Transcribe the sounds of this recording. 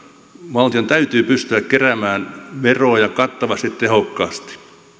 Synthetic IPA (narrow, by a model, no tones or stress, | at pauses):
ʋɑlt̪iont̪æyt̪yːpyst̪yækkeræmæːnʋeroːjɑkɑt̪ːɑʋɑst̪it̪t̪ehokːɑːst̪i̥